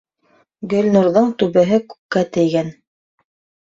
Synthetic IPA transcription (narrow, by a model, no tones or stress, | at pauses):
ɡɵ̆lʲnuɾðɤɴt̪ʉβɘ̆ɦɘkʉ̥kkːæt̪ɘ̆jɡæn